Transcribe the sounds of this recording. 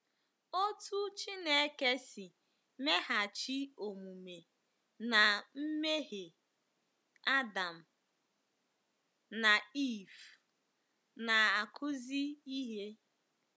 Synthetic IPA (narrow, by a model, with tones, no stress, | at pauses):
o˦tu˦t͡ʃi˦ne˨˦ke˦si˨ | me˦ɦa˨t͡ʃi˦o˨mu˨me˨ | na˨m̩˦me˦ɦe˨ | a˦da˨m̩˨ | na˨i˦˨f | na˨a˨kʰʊ˦zi˦i˦ɦe˦